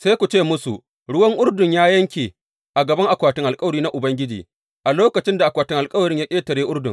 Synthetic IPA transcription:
sa˦jkʷu˨t͡ʃeː˦˨mʊ˦su˨ | ɽʊ˦wɐ˦ŋʔʊ˦ɽdʊ˨ɲjaː˦jɐ˦ŋkʲeː˨ | ʔa˨ɡɐ˨bɐ˦ŋʔa˨kʷaː˨tɪ˦ŋʔa˨lkʼɐ˦wɐ˨ɽiː˦na˦ʔʊ˨bɐ˦ŋɡʲɪ˦d͡ʒḭː˨ | ʔa˨loː˦kɐ˨t͡ʃɪ˦nda˨ʔa˨kʷaː˨tɪ˦ŋʔa˨lkʼɐ˦wɐ˨ɽɪ˦ɲjaː˦kʲʼeː˦tɐ˨ɽeː˦ʔʊ˦rdʊ˨ŋ

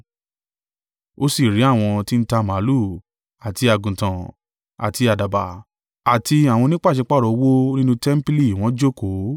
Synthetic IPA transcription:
o˦si˦˨ɾi˨˦a˦˨w̃ɔ̃˧ti˦n̩˦ta˧mã˨˦lu˦˨ | a˨ti˧a˧ɡũ˨tã˨ | a̰˨ti˧a˨da˨ba˨ | a˨ti˧a˨w̃ɔ̃˧nĩ˦k͡pa˦˨ʃe˨˧k͡pa˦ɾɔ˨˦wo˦nĩ˦nũ˧tɛ˦m̩˦pi˦li˦˨w̃ɔ̃˨˦d͡ʒo˦ko˨˦

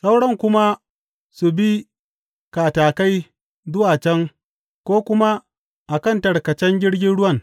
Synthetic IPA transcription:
sa˦wɽɐ˦ŋkʷʊ˦ma˦ | su˨bi˦ | kaː˨taː˨ka˦j | zʊ˦waː˨t͡ʃɛ˦ŋ | kʷoː˦kʷʊ˦ma˦ | ʔa˨kɐ˦ntɐ˨ɽkɐ˨t͡ʃɛ˦ŋɡʲɪ˦ɽɡʲɪ˦nɽʊ˦wɐ˦˨ŋ

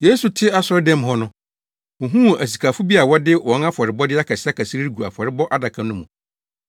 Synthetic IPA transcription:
je˦su˨tʰɪ˦a˦sʊ˦ɾdɛ̃˦m˨ɦɔ˦nʊ̃˦ | ʊ̃˨ɦũ˦˨æ˨s̬i˨kʰa˨fʊ˦bi˦a˨wɔ˦dɪ˦wɔ̃˨˦na˦fɔ˨ɾɪ˨bɔ˦dɪ˦a˦kʰa˨sɪ˦a˦kʰæ˨si˦i˦ɡu˨a̰˨fɔ˨ɾɪ˦bɔ˦ʔa˦da˨kʰã˨nʊ̃˦mṵ̃˨

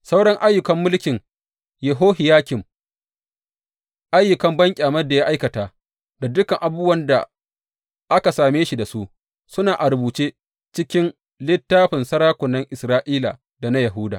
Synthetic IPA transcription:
sa˦wɽɐ˦ŋʔa˦jːʊ˨kɐ˦mːʊ˦lkʲɪ˨ŋ | jɛ˨ɦoː˦ɦɪ˨jaː˦kʲɪ˨m | ʔa˦jːʊ˨kɐ˦mbɐ˦ŋkʲʼaː˨mɐ˦rda˨jaː˦ʔa˦jkɐ˨taː˨ | da˨dʊ˦kɐ˨ŋʔa˨bʊː˦wɐ˦nda̰˨ | ʔa˦ka˨saː˨meː˦ʃi˨da˨su˦ʔ | sʊ˦naː˨ʔa˨ɾʊ˨buː˨t͡ʃeː˦ | t͡ʃɪ˦kʲɪ˦n | lɪ˦tːaː˦ɸɪ˨nsɐ˦ɾaː˦kʷʊ˨nːɐ˦ŋʔɪ˨sɾaː˦ʔiː˦la̰˨ | da˨na˦jɐ˨ɦuː˦daː˨

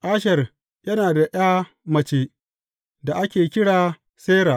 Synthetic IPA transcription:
ʔaː˦ʃɐ˨r | jɐ˦naː˨da˨ʔj̰aː˦ | mɐ˨t͡ʃeː˦ | da˨ʔa˦kʲeː˨kʲɪ˦ɽaː˨ | seː˦ɾaː˨ʔ

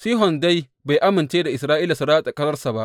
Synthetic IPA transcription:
siː˦ɦɔ˨nda˦j | ba˨jʔa˦mɪ˨nt͡ʃeː˦da˨ʔɪ˨sɾaː˦ʔiː˦la˨su˦ɽaː˦tʼa˨kʼɐ˦zɐ˦rsa˨ba˦ʔ

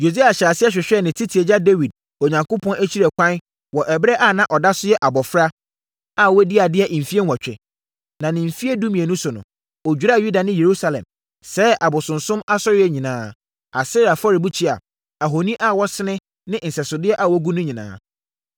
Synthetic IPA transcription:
jo˨si˦a˨ɕa˨sɪ˦ɛ˦ɕᶣɪ˨ɕᶣɛ˦˨nɪ̃˨tʰi˦tʰi˨e˨d͡ʑa˦de˦wi˨d̚ | o˨ɲã˨ŋkʊ˦pʰɔ̃˦nʔæ˦t͡ɕʰi˦ɾɛ˨kʷʰã˦n | wɔ˨ʔɛ˨bɾɛ˦ʔa˦˨nã˦ʔɔ˨da˦sʊ˦jɛ˦ʔa˨bɔ˨fɾa˦ | a˦wɔ˦di˦a˨dɪ˦ɛ˦˨ʔm̩˨fi˦e˦n˦wa˨t͡ɕᶣɛ̰˨ | nã˨nɪ̃˨m̩˨fi˦e˦du˦mĩ˨e˨nʊ̃˦sʊ˨nʊ̰̃˨ | ɔ˨d͡ʑᶣu˨ɾa˦˨ju˦da˨nɪ̃˦je˨ɾu˦sa˦lɛ̰̃˨m | sɛ˨˦ʔa˨bʊ˨sʊ̃˨nsʊ̃˦ma˦sɔ˦ɾɪ˦ɛ˦ɲĩ˨nãː˦ | a˨sɛ˦ɾa˨fɔ˦ɾi˨bu˦t͡ɕʰi˦a̰˨ | a˨ɦo˨nĩ˦ʔa˦˨wɔ˦sɪ˦nɪ̃˦ | nɪ̃˦n̩˨sɛ˨sʊ˨dɪ˦ɛ˦ʔa˨wɔ˦ɡu˦nʊ̃˦ɲĩ˨nã̰ː˦

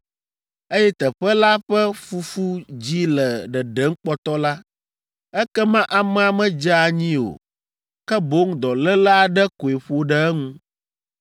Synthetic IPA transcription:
e˦jɛ˦t̪ɛ˨ɸɛ˦la˦ɸɛ˦fu˦fu˦d͡ʑi˦lɛ˨ɖɛ˨ɖɛ˦ŋ̩˦k͡pɔ˦t̪ɔ˦la˦ | ɛ˦kɛ˦mã˦ʔa˨mɛ˦a˨mɛ̃˦d͡ʒa˦a˨ɲĩ˦o̰˨ | kɛ˦bo˦ŋ˦d̪ɔ˨lɛ˦la˦a˨ɖɛ˦ko˨e˨ɸo˨ɖɛ˦ɛ˦ŋũ˦

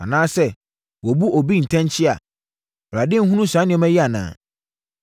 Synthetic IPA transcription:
a̰˨nãː˦sɛ˦ | wɔ˨bu˦ɔ˨bi˦n̩˨tʰã˦nt͡ɕʰɪ˦a̰˨ | bɾa˨dɪ˦ŋ̩˦ɦũ˦nũ˦sã˨˦nɪ̃˨ɔ˦mɛ̃˦ji˦a˨nã̰ː˨

